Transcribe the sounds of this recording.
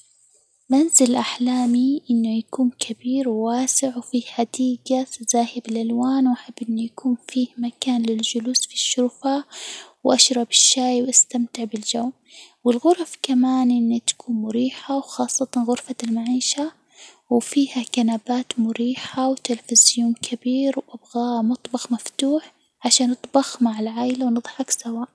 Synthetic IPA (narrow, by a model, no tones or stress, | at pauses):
manzɪlʔaħlaːmiʔɪnːʊjakuːnkʰabiːɾwːaːsɪʕwfiːħad̪iːɡatazaːhɪbɪlʔalwaːnwʔaħabːʔɪnːujakuːnfiːhmakaːnlɪld͡ʒʊluːsfiʃːʊɾfawʔaʃɾˤɑbɪʃːaːjwʔast̪amt̪ɪʕbɪld͡ʒawm | wɪlɣʊɾfkamaːnʔɪnːit̪ḁkʰuːnmʊɾiːħawxɑːsˤːɑt̪ɑnɣʊɾfalmaʕiːʃa | wfiːhakanaːbaːt̪mʊɾiːħawt̪ɪlfɪzjuːnkʰabiːɾwʔabɣamʊt̪ˤbɑxmaft̪uːħ | ʕaʃaːnɨt̪ˤbɑxmaʕɪlʕaːʔɪlawnɨðˤħɑksawaːʔ